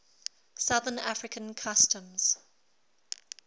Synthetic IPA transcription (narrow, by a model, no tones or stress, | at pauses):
sʌðənafɹɪkʰə̃nkʰʌstə̃mz̥